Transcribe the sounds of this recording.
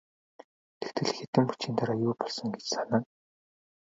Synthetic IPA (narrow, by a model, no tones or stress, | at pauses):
t̪ʰext̪ʰɘ̆ɮxet̪ɘ̆mpu̥t͡ɕiːnt̪ʰaɾajuːpɔɮsɞ̆ŋɡet͡ɕsanăːŋ